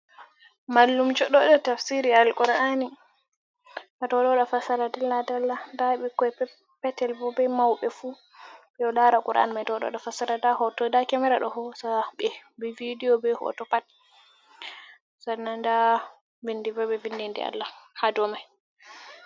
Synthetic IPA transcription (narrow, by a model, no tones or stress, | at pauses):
malːumd͡ʒɔɗɔɗɔtafsiɾialkuɾʔani | ʔatɔɗɔɗɔfasaɾadalːadalːadaɓikɔɛ | pɛtɛlbɔbɛmawɓɛfu | ɓɛɔlaɾakʼuɾʔa̰nimajtɔɗɔ̰ɗɔfasaɾadahɔtɔdakɛmɛɾaɗɔ̰hɔsaɓɛbɛvidiɔbɛhɔ̰tɔpat̚ | sananda | vindivɛbɛvindindɛ̰a̰lːahadɔmaj